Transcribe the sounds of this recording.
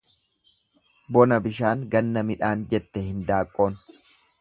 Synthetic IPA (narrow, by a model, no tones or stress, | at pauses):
bɔnɐbɪʃaːŋɡɐnːɐmɪᶑaːnd͡ʒɛt̪ːɛhɪnd̪aːkʼːo̞ːn